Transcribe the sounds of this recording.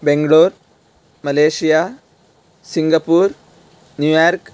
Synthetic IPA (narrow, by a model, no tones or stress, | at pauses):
beŋɡɐɭoːɾ | mɐleːʂija | siŋɡɐpːuːɾ | njuːjaːɾk